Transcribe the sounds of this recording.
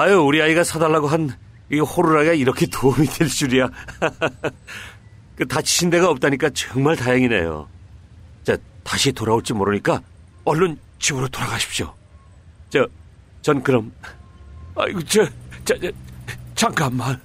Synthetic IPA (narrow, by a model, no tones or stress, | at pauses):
ajouɾiaiɡasʰadaɭːaɡoɦan | ihoɾuɾaiaiɾʌkʰe̞toumidweɭt͡ɕ͈uɾija | kɯtaɕʰi̥ɕʰinde̞ɣaʌp̚t͈aɲik͈at͡ɕʌŋmaɭtajaŋine̞̰jo̰ | t͡ɕataɕʰitoɾaoɭt͡ɕ͈imoɾɯɲik͈a | ʌɭːon | t͡ɕibɯɾotoɾaɡaɕʰi̥pɕo̰ | t͡ɕa | t͡ɕʌnkɯɾʌm | a̰kɯt͡ɕʰot͡ɕa | t͡ɕʰaŋk͈amːan